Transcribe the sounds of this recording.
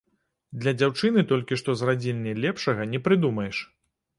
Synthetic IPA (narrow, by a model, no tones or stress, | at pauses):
d̪lʲɐd͡zʲawt͡ʂɨnɨt̪ɔlʲkʲiʂt̪ɔzrad͡zʲilʲnʲɛlʲɛpʂɐɣɐnʲɛpɾɨd̪umɐjɛʂ